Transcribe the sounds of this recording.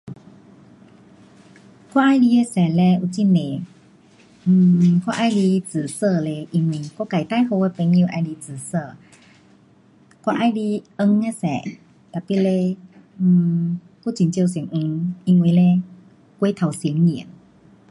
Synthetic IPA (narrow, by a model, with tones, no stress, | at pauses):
kwa˦˧˥ʔa˧jli˧e˧sɛ˨˩lɛ˧u˧˨t͡ɕi˧˥nẽ˨˧˩ | kwa˧ʔa˧jli˧t͡sɨ˨˩sə˧˨le˧ʔi˧ŋwi˧kɔ˦˥˨ka˨˩jt̪a˥˨jho˧e˧˦pe˧˦ŋĩ˧ʔa˧jli˧t͡sɨ˨˩sə˧˨ | kwa˧ʔa˧jli˧ə˧ŋe˧sɛ̰˨˦ | t̪a˨˩jpi˧˥˨le˧˩ | ku˧˥˦t͡ɕi˧˦nt͡ɕwsŋʔu˧ŋi˧ŋwi˧le˧ | kwe˧˦t̪ʰa˨˩wsi˨˦əŋːi˨˩ə˦n